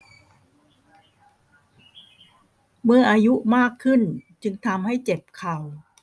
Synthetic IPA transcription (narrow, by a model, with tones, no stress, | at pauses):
mɯ˧əʔaː˧ju˦˥ʔmaː˥˩kʰːɯ˥˩nt͡ɕɯ˧ŋt̪ʰa˧mha˥˩jt͡ɕe˨˩p̚kʰa˨˩w